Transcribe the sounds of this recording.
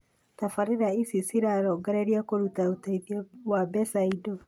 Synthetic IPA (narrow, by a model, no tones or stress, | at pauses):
tafaɾeɾaisisiɾaɾɔɡaɾeɾiakoɾutautaiðjawabɛsaido